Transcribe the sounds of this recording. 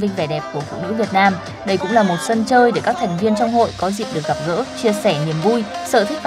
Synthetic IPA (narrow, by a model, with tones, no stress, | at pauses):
vï˧ŋ̟vɛ˧˩ɗɛ˨˩p̚ku˧˩əfṵ˧˨nɨ̰˧˥vi˨˩ət̚naː˧m | ɗə˧jkʊ̰˧˥ŋ͡mlaː˨˩mo˨˩t̚sə˧nt͡ɕəː˧jɗe˧˩kaː˦˥k̚t̪ʰɛ˨˩jŋ̟vi˧ənt͡ɕɔ˧wŋ͡mho̰˧˨jkɔ˨˦zḭ˧˨əmɗɨ˨˩ək̚ɣa˨˩p̚ɣə̰ː˧˥t͡ɕi˧əsɛ˧˩ɲi˨˩əmvu˧jsə̰ː˧˩t̪ʰï̟˦˥